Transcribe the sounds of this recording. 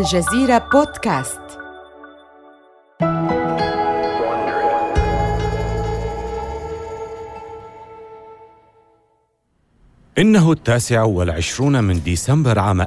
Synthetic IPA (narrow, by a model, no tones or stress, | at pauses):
lʒaziːɾaboːd̪kaːst̪ | ʔɪnːaɦʊt̪ːaːsɪʕawɪlʕɪʃɾuːnmɪnd̪iːsambɑɾˤʕaːma